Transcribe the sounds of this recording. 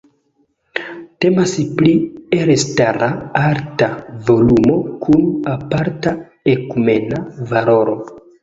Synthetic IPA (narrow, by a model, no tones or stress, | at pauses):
te̞masplieɾestaɾaaɾtavo̞lumo̞kʰunapaɾta | ekume̞navalo̞ɾo̞